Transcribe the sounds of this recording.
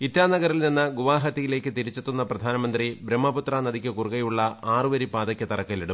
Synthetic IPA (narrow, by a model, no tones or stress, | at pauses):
itːaːnɐɣɐɾilninːɨɡuʋaːɦɐt̪ːijile̞ːkːɨt̪iɾit͡ɕːet̪ːunːɐprɐd̪ʱaːnɐmɐnd̪ribɾɐmːɐput̪raːnɐðikʲːɨkurɣɐjuɭːɐʔaːrɨʋɐɾipaːd̪ɐkʲːɐt̪ɐrɐkːɐliɽum